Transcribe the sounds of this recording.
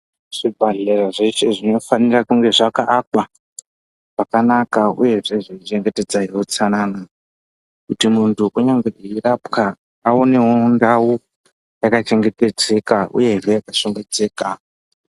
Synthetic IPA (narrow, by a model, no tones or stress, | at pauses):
ʐ̥ibʱaɮeraʐet͡ʃe̞ʐino̞fanirakuŋɡe̞ʐakaʔːkwa | ʐ̥akanakaṵje̞ʐe̞ʐiit͡ʃe̞ŋɡe̞te̞d͡zaɦiwot͡sanana | kutimuntʰuʔuɲaŋɡeeirapka | aone̞wondawu | jakat͡ʃe̞ŋɡe̞te̞d͡ze̞kaʔṵje̞ʐejakaʃoŋɡe̞d͡ze̞ːka